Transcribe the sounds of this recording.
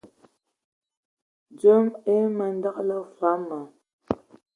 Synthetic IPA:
d͡zə˦me˦mə˨n˦da˦klə˦fa˨˦ma˨

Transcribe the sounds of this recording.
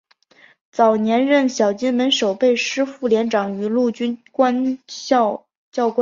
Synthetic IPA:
t͡sɑ˨˩ʊnjɛ˧˥nɻə˥˩nɕjɑ˨˩ʊt͡ɕi˥nmə˧˥nʂo˨˩ʊpe˥˩ɪʂɻ̩˥fu˥˩ljɛ˧˥nʈ͡ʂɑ˨˩ŋy˧˥lu˥˩t͡ɕy˥nkwa˥n˥ | t͡ɕjɑ˥˧ʊkw

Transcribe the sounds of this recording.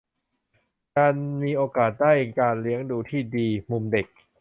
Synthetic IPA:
kaː˧nmiː˧ʔoː˧kaː˨˩t̪̚daː˥˩jkaː˧nli˦˥əŋduː˧t̪ʰiː˥˩diː˧mu˧mde˨˩k̚

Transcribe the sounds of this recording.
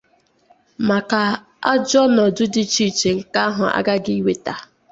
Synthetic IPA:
ma˨ka˨ | a̰˦d͡ʒɔ˦nɔ˨dʊ˦dɪ˦t͡ʃi˦˨t͡ʃe˨ŋ̩˨ka˦ɦʊ˨a̰˦ɡa˦ɡi˦i˦we˨ta˨

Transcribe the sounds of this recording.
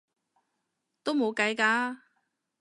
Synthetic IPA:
t̪o˥wmo˨˧wkɐ˨˧jkaː˧

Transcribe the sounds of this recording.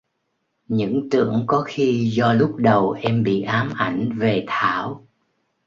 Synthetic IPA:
ɲɨ̰˧˥ŋt̪ɨ̰˧˩əŋkɔ˨˦xi˧zɔ˧lʊ˦˥k͡p̚ɗə˨˩wʔɛ˧mɓḭ˧˨ʔaː˨˦mʔa˧˩jŋ̟ve˨˩t̪ʰaː˧˩˨w

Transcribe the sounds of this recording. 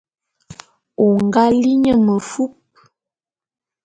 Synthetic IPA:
o˨ŋ˨ɡa˦li˦ɲə˦˨mə˨fu˦p̚

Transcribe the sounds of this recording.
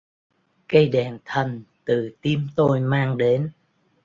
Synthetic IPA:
kə˧jɗɛ˨˩nt̪ʰə˨˩nt̪ɨ˨˩t̪i˧mt̪o˧jmaː˧ŋɗe˨˦n

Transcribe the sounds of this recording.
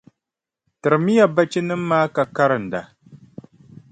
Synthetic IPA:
tɨ˨ɾɨ˨mi˦ja˨ba˦t͡ʃi˦nɨ˦m̩ː˦aː˦ka˨ka˦ɾɨ˨n̩˨da˨

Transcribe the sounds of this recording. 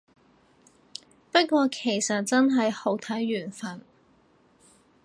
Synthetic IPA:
pɐ˥t̚kʷɔː˧kʰe˨˩jsɐ˨t̚t͡sɐ˥nɦɐ˨jho˨˩wt̪ʰɐ˨˥jɥyː˨˩nfɐ˨˩n

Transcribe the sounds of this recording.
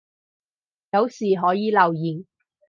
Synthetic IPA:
jɐ˨˧wsiː˨˩ɦɔː˨˥jiː˨˧lɐ˨wjiː˨˩n

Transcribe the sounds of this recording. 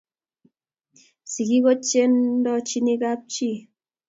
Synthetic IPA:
si˨ɣi˦ɣo˦t͡ʃe˦ndɔ˧t͡ʃi˧ni˧ka˦p̚t͡ʃi˦˨

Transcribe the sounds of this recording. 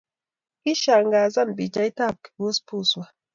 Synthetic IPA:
ki˦ʃa˨ŋɡaː˨za˦nbi˨d͡ʒa˦jt̪aː˦˨p̚ki̥˨bu˦spu˦swa˨

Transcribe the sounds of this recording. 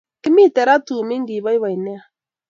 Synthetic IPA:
ki˦mi˦tɛ˨ɾa˦tu˨mi˦ŋɡi˨βa˦i˦βa˨i˨nɛ˦a˨

